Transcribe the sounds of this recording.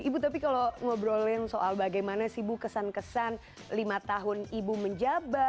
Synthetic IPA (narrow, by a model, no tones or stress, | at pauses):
ibut̪apikaloŋobəɾolɛŋsoʔalbaɡajmanasibukəsankəsan | limat̪aɦʊnibuməɲd͡ʒaba